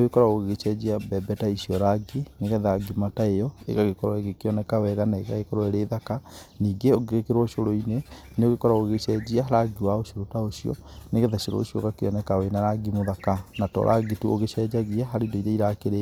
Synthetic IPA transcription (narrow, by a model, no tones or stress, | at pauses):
oɣekɔɾaoɣɣet͡ʃɛd͡ʑiabɛbɛtaiʃiɔɾaɡeneɣɛðaɡimataejɔḛɣaɣekɔɾɔɛɣekeɔnɛkawɛɣanaeɣa̰ɣekɔɾɔɛɾeðakaniːɡeoɡeɣekeɾwɔʃoɾoine | neoɣekɔɾaoɣeʃɛd͡ʑiaɦaɾaɡiwaoʃoɾotaoʃiɔ̰neɣɛðaʃoɾo̰ʃiɔ̰ɣakeɔnɛkawenaɾaɡimoðakanatɔ̰ɾʔa̰ɡituoɣeʃɛd͡ʒaɣiaɦaɾeidoiɾeiɾakeɾe